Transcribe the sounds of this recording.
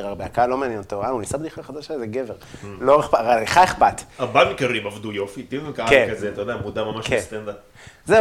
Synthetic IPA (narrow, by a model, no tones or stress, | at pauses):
ʁaʁbeakalo̞meanjent̪oʁaunisabd̪iχaχad̪aʃazeɡeveʁloeχpaʁaiχaeχpat̪abamikaʁimavd̪ujo̞fit̪iikakekazeat̪ajod̪eamud̪amamaʃkest̪end̪ap | ze